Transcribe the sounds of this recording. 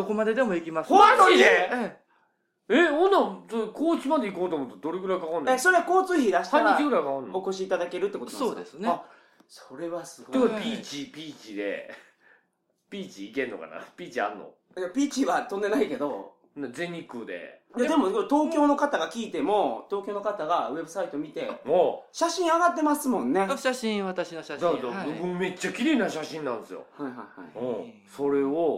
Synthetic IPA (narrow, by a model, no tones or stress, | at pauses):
sokomad̪e̞d̪e̞mo̞ikʲimasooie | eõnːasokoːt͡ɕimad̪e̞ikoːt̪omot̪od̪o̞ɾeɡɯ̟ɾaikakãnd̪eso̞ɾe̞ako̞ːt͡sɨːçid̪aɕi̥t̪ãaɾiaiɡɯɾaikakãnːo̞ko̞ɕiːt̪ad̪ake̞ɾɯ̟t̪ːekooosoːd̪esɨna | so̞ɾe̞βasɨɡod̪ekpʲiːt͡ɕipʲiːt͡ɕid̪ḛ | pʲiːt͡ɕiːkẽ̞nːo̰ka̰na̰pʲiːt͡ɕia̰ɾɯno̰ | japʲiːt͡ɕiβat̪õ̞nd̪enaike̞d̪o̞ | nad͡ze̞ɲ̟ikɯd̪e̞̰jad̪e̞mo̞ot̪o̞ːkʲo̞ːno̞kat̪aɡakʲiːt̪e̞mo̞t̪o̞ːkʲo̞ːno̞kat̪aɡaβe̞bɯ̟sait̪omʲit̪e̞oɕaɕĩɰ̃aɡat̪ːe̞masɨmõ̞nːe̞ĩat̪aɕd̪ad̪abɯbɯ̃mme̞t͡ɕːakʲiɾe̞ːnaɕaɕĩnãnd̪esɨjo̰haiɦaiha̰ḭõ | so̞ɾe̞o